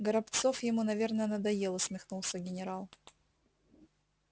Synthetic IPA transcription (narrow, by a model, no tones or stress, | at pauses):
ɡəɾɐpt̪so̞fjɪmunɐvʲernəjənəd̪ɐjelˠɨsʲmʲɪxnulˠsʲəɡʲɪnʲɪɾalˠ